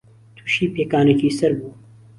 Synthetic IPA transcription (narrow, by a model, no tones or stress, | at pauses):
t̪ʰu̥ʃiːpeːkaːnɛkiːsɐɾbuː